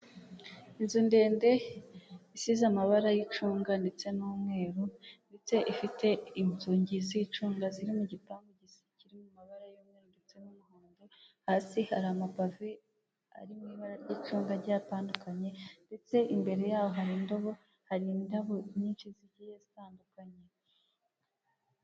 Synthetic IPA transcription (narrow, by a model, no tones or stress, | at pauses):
inzunde̞ːnde̞ | isizamaβaɾajit͡ʃuːŋɡande̞t͡se̞nuːmŋe̞ːɾunde̞t͡se̞ʔifite̞inzuːɲɟizit͡ʃuːŋɡaziɾimuɟipaːmbiɟisiciɾimumaβaɾajoːmŋeɾondet͡se̞numuhoːndohaːsihaɾamapave | a̰ɾimŋiβaɾaɾɟiːt͡ʃuːŋɡaɾɟaːtaːndukaɲe̞nde̞t͡se̞ʔimbe̞ɾe̞jaːwo̞ɦaɾindoβo̞ | haɾindaβo̞iɲiːnʃiziɟijezitaːndukaɲe̞